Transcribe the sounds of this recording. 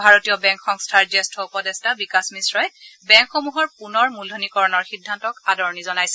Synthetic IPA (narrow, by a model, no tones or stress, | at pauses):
bʱaɹotijɔbɛ̃ŋkxɔŋstʰaɹzestʰɔupɔdestabikasmisɹɔjɛbɛŋkxomuɦɔɹpunɔɹmulonikɔɹɔnɔɹxidʱːantɔkadɔɹnizɔnajsɛ̥